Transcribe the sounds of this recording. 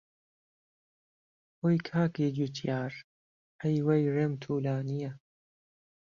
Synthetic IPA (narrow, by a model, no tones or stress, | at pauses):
hoːjkʰaːkiːd͡ʒut̪ʰjaːɾ | ʔɐjwejreːmt̪ʰuːlaːnijɐ